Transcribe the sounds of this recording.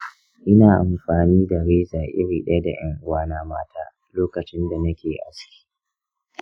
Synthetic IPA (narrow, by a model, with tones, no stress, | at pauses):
ʔɪ˦naː˨ʔa˨mɸaː˨niː˦da˨ɽeː˦zaː˨ʔɪ̰˦ɽiː˨ɗɐ˦da̰˨j̰ɐ˦ŋʔʊ˦waː˦naː˦maː˦tʰaː˦ | loː˦kɐ˨t͡ʃɪ˦nda˨nɐ˦kʲeː˨ʔa̰˨skʲi̥ː˦